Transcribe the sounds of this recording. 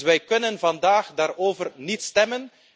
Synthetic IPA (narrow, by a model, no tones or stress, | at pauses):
ʋɛjkɵnənvɑndaːxdaːɾoːvərnitstɛmən